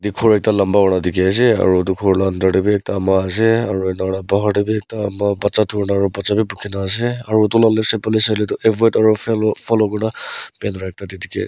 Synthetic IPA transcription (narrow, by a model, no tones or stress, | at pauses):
dikʰuɹɛk̚talambaɔɽ̃adikias̬ɛa̰ɹutukʰuɹlandɔʈibiɛk̚taːmaːs̬ɛaɹuɛnaɔɽabɔɦɔʈibiɛk̚taːmabat͡ʃatʰuɹnaːɹubat͡ʃabibukʰinaːs̬ɛaɹuɔtulalɛsɛpɔlisalɛtɔʔɛbɔetaɹupʰɔlɔkɔnapɛnɹaɛk̚tadidikḭ